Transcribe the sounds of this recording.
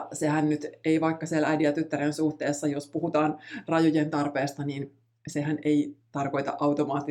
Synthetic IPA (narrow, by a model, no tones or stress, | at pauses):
sehænnyt̪eiʋɑikːɑsielʔæjdiɑt̪yt̪ːæɾensuht̪eːsːɑjospuhut̪ɑːnrɑjojent̪ɑrpeːst̪ɑniːn | seɦæneit̪ɑrko̞it̪ɑ̰ʔɑwt̪omɑːt̪ːi